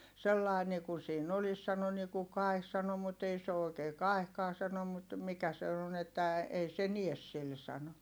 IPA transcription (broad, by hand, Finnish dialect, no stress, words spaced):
selːɑi nikun̞ siːn olis sɑno niku kɑi̯h sɑno mut ei se o oikeː kɑehkɑː sɑno mut mikæ se on etːæ ei se nies sil sɑno